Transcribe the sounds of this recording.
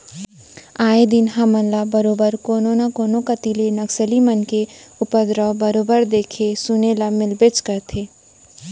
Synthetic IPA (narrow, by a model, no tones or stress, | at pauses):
aːed̪ɪnɦamənlabɐɾoːbəɾkoːnõnakoːnõkɐt̪ilenɐksəlimənkeʊpəd̪ɾɔbəɾoːbəɾd̪eːkʰesʊnelamɪlbɪt͡ʃkɐɾt̪ʰeː